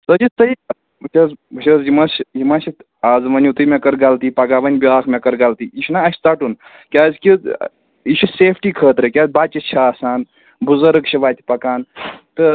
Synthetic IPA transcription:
sɐd͡ʒit̪ɐj | ɐt͡ʃʲʰɐzbɐt͡ʃʰʲɐzimɐsjimɐsit̪ | aːzmɐnʲut̪ɨmekɐɾɡɐlt̪ipɐɡaʋɐnʲbʲiaːkʰmekɐɾɡɐlt̪iiʃʰʲnaɐsʲt͡s̪ɐʈun | kʲaːzkʲi | iʃʰiseːpʰʈikʰəːt̪ɾɨkʲaːzbaːt͡ʃit͡ʃʰɐaːsaːn | buzɐɾɨɡt͡ʃʰiʋaːt̪ʰʲi̥pɐkaːnt̪ɨ

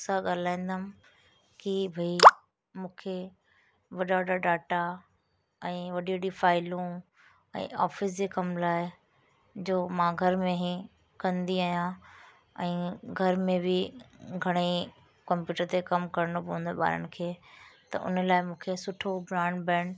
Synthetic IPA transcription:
saɠaːlaːĩn̆d̪amɪ | kibʱɐi | mũːkʰe | ʋɐɗaʋɐɗaɖaːʈa | ɛ̃ːʋɐɗiʋɐɗifaːɪlũ | ɛ̰̃ːʔaːfɪs̬d͡ʑeːkɐmlaːɪ | d͡ʑoːmãɡʱɐɾmẽɦĩ | kɐ̃nd̪iaːɦijã | ɛ̃ːɡʱɐɾmẽbɪɡʱɐɽ̃i | kɐ̃mpjuːʈəɾt̪ekɐmkɐɾənopɐɦnd̪ɓa̰ːɾə̰nɪ̆kʰeːt̪ɐ̰ʔʊ̰nəlaːɪmũːkʰesʊʈʰobɾaːɳɖbɛ̃ːɳɖ

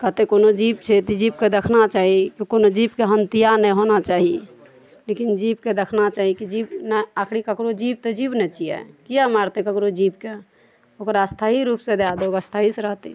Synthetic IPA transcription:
kət̪ekonod͡ʒib̚t͡ʃʰɛt̪id͡ʒibked̪ekʰnat͡ʃaɦikikonod͡ʒibkeɦənt̪ijanɛjɦonat͡ʃaɦi | lekind͡ʒibked̪ekʰnat͡ʃaɦikid͡ʒibnɛakʰɽikəkɾod͡ʒib̚t̪ɔd͡ʒibnɛt͡ʃiɛ̰kijamaɾt̪ekəkɾod͡ʒibke | okɾaəst̪ʰaɦiɾupsẽd̪ad̪ookəst̪ʰaɦiseɾəɦt̪i

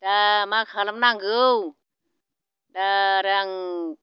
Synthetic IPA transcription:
damakʰaːlamnaŋɡɯw | daɾaŋ

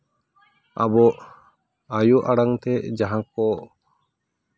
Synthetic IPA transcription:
abɔʔ | ajuʔaɽaŋt̪ɛd͡ʒaɦãk̚ɔ

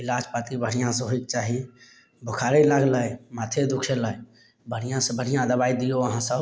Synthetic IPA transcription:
ɪlaːd͡ʒpat̪ibʱəɽ̤ijãsẽɦoikt͡ʃaːɦi | bʱʊkʰaɾilaɡləjmaːt̪ʰed̪ukʰeləj | bʱəɽ̤ijãsə̃bəɽ̤ijãd̪əbaid̪ijoəɦãsəb

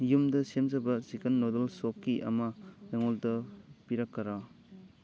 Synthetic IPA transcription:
jumdɐsemzɐbɐzikɐnːodelsop̚kiʔɐ̰mɐɾeŋoldɐpiɾɐkːɐɾa

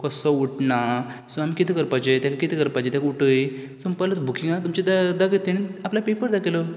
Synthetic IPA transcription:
kəsɔuʈna | sũamikit̪ʰikəɾpat͡ɕejt̪jãkakit̪ʰikəɾpat͡ɕet̪ãkuʈəjsumpalət̪bʱukiŋɡat̪umt͡ɕed̪ad̪akət̪eɽ̃ĩaplapepəɾd̪akelo

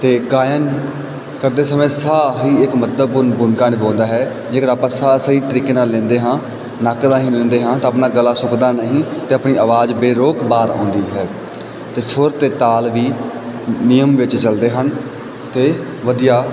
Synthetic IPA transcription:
t̪eːɡaːjən | kəɾd̪eːsəmẽːsaːɦiːɪkmət̪̚d̪əbʊnbʊnkaːnebõːnd̪aːɦɛː | d͡ʒeːkəɾaːpãːsaːsəiːt̪əɾiːkeːnaːlːɛ̃ːnd̪eːɦãː | naːkd̪aːɦĩːlɛ̃ːnd̪eːɦãːt̪ãːəpnaːɡəlaːsʊkd̪aːnəɦĩːt̪eːəpniːəʋaːd͡ʒbeːɾoːkbaːɾɔ̰̃ːnd̪iːɦɛː | t̪eːsʊɾt̪eːt̪aːlʋiː | nɪjəmʋɪt͡ʃt͡ʃəld̪eːɦən | t̪eː | ʋəd̪ijaː

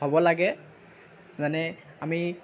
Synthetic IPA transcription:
abɔlaɡɛ | zanɛ | ami

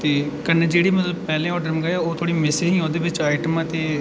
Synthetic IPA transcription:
t̪eː | kənːeːd͡ʒeːɽiːmət̪ləbpɛːlẽːɔːɾɖəɾm̃ːɡəaoːt̪ʰoːɽiːmɪsɪɦĩːoːd̪eːʋɪt͡ʃaːɪʈəmãːt̪eː

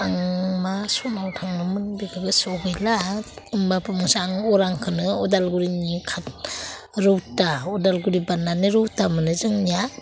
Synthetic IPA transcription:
aŋmasɔnawtʰaŋnɯmɯnbikʰaɡɯsɔɡɯjlaɯmbapʰɯmsaŋɔɾaŋkʰɯnɯɔdalɡuɾinikʰat̚ | ɾɯwtaɔdalɡuɾibanːanɯɾɯwtamɯnɯzɯŋnija

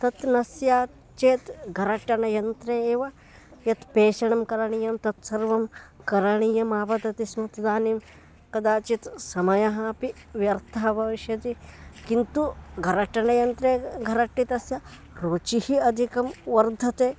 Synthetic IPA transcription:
t̪ɐt̪nɐsjaː | t͡ʃeːt̪ɡʱɐɾɐʈːɐnɐjɐnt̪ɾeːeːʋɐ | jɐt̪peːʃɐɳɐmkɐɾɐɳijɐmt̪ɐt̪sɐɾʋɐmkɐɾɐɳijɐmaːbɐt̪ɐt̪ismɐt̪d̪aːnim | kɐd̪aːt͡ʃit̪sɐmɐjɐɦɐpiʋjɐɾt̪ʰaːbʱɐʋiʃjɐt̪ikint̪uɡʱɐɾɐʈɐnɐjɐnt̪ɾeːɡʱɐɾɐʈːit̪ɐsjɐ | ɾoːt͡ʃihiɐd̪ʱikɐmʋɐɾd̪ʱɐt̪eː

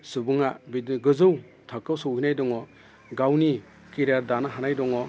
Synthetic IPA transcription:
sɯbɯŋabiɡɯzɯw | tʰakːɯwsɯwkʰinajdɔŋɔ | ɡawni | kiɾaɾdanaɦanajdɔŋɔ

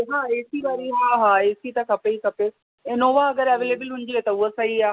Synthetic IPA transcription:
ɦaːeːsiʋaːɾiɦaːɦaːeːsit̪ɐkʰɐpeikɐpe | ẽːnoːʋaɐɡəɾɐʋeːleːbəlɦʊ̃n̆d͡ʒ̪iɦet̪ɐʊɦosɐiaː

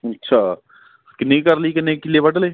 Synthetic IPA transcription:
ɐtːʃʰaː | kɪneikɐɾlikenekiliebɐʈleː

